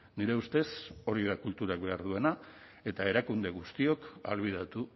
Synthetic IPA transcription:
niɾe̞ust̪e̞so̞ɾiðakult̪uɾakbe̞aɾðue̞na | e̞t̪ae̞ɾakund̪e̞ɣust̪io̞ka̰lβið̞at̪u

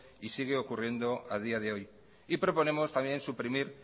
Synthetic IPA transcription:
isiɣ̞e̞okurje̞nd̪o̞að̞iað̞eo̞j | ipɾo̞po̞ne̞mo̞st̪amjẽ̞nsupɾimiɾ

